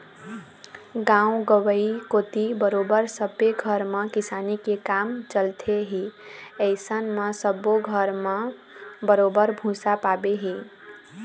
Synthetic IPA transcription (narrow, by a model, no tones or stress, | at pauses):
ɡãũɡəwəikot̪ibəɾobəɾsəbeɡʱəɾməkisanikekamt͡ʃəlt̪ʰeɦiəɪsənməsəboɡʱəɾmə | bəɾobəɾbʱũsapabeɦi